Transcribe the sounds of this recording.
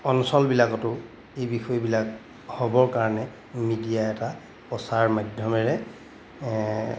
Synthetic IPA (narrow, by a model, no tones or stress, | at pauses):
ɔnsɔlbilakɔtʊ | ejbixɔjbilak̚ | hɔbɔɹkaɹɔnɛ | midijaɛta | pɔsaɹmadʱjɔmɛɹɛ